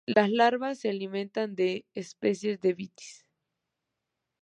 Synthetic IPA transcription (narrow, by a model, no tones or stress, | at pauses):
laslaɾβasːealimẽnt̪and̪e̞ːspesje̞zðeβit̪i̥s